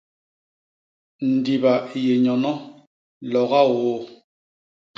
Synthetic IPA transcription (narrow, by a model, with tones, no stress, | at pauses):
n̩˨di˨ba˨je˨ɲɔ˨nɔ˦ | lɔ˨ɣa˦wo˦